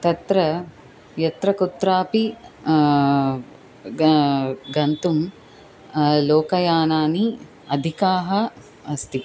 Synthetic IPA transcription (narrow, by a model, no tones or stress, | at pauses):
t̪ɐt̪ɾɐ | jɐt̪ɾɐkut̪ɾaːpi | ɡɐnt̪um | loːkɐjaːnaːni | ɐd̪ʱikaːɦɐ | ɐst̪ʰi